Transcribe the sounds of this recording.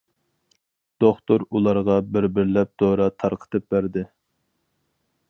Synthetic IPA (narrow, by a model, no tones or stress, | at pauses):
d̪̥oχt̪oɾulˠɑɾʁɑbɪɾbɪɾlɛp̚d̪̥oɾɑt̪ʰɑɾqʰə̥t̪ʰɨp̚bæɾd̪ɪ